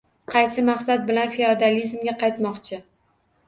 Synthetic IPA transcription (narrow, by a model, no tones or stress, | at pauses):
qʰɑjsɪmɑqsat̪̚bɪlanfeod̪alizmɡʲaqʰɑjt̪mɒqt͡ʃʰɪ